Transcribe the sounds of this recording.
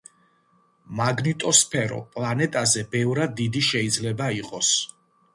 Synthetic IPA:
maɡnit̪ʼɔspʰɛɾɔ̰pʼlˠanɛt̪ʼazɛbɛvɾad̪ːid̪iʃɛid̪zlɛbaiqʼɔs

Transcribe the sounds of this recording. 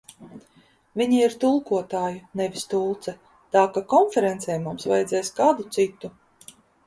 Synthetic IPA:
vʲiɲiiɾt̪ulˠkuɔt̪aːjunɛvʲist̪ulˠt̪sɛ | t̪aːkakɔnfɛɾɛnt̪sɛjmumsva̰jɛd̪zɛːsʲkaːd̪ut̪sit̪ːu

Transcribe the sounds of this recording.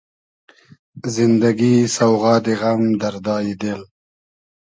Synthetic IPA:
zɪnd̪aɡisawɣɑːd̪eɣamd̪aɾd̪ɑːjid̪el

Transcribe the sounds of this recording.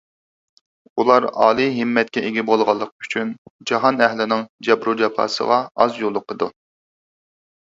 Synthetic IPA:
ulˠɑɾɑ̰ːlˠɨɦɪmːɛt̪̚kʲɛʔeɡʲɪbolˠʁɑlˠːəq̚y̥t͡ʃʰynd͡ʒɑɦɑnɛɦlɪnɪŋd͡ʒɛbɾud͡ʒɑpʰɑ̰ːsə̰ʁɑɑzjolˠːʊqʰːəd̪u

